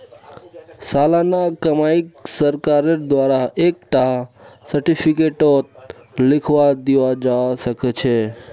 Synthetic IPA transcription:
salanakəmaiksəɾkaɾeɾd̪waɾaɦek̚ʈaɦsəɾʈipʰikeʈot̪̚ | lɪkʰʋad̪iʋad͡ʒasəket͡ʃʰe

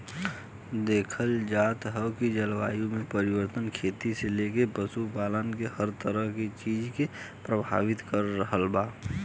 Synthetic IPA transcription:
d̪eːkʰəld͡ʒaːt̪ɦɛwkid͡ʒəlʋaːjũmẽpəɾɪwəɾt̪ənkʰeːt̪iseleːkepəsupaːlənkehəɾt̪əɾəɦkit͡ʃiːd͡ʒkepɾəbʱa̰ːʋɪt̪kəɾːəɦəlbaː

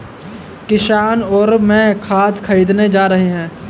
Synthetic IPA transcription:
kɪʃaːnɔːɾmɛ̃ːkʰaːt̪kʰɐɾiːd̪ned͡ʒaːɾɐɦeɦɛ̃ː

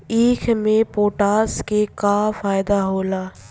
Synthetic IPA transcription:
iːkʰmẽpoːʈaːskekaːfaːɪd̪aɦoːlaː

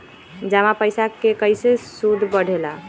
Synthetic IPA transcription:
d͡ʒamapəjsakekəjsesud̪ʱbəɽ̤ʱela

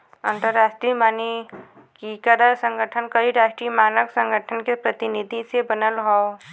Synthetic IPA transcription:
ə̃nt̪əɾːaːsʈɾimaːni | kikəɾəsə̃ŋɡʱəʈʰənkəɾiɾasʈɾimaːnəksə̃ŋɡʱəʈʰənkepɾət̪inid̪ʱisebənəlɦɔo

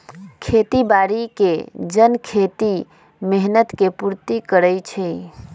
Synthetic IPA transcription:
kʰet̪ibaɾiked͡ʒənkʰet̪i | meɦnət̪kepuɾt̪ikəɾəjt͡ʃʰɛ

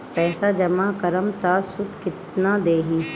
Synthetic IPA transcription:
pɛːsad͡ʒɐmakɐɾəmt̪aːsʊd̪kɪt̪nad̪eːɦĩː

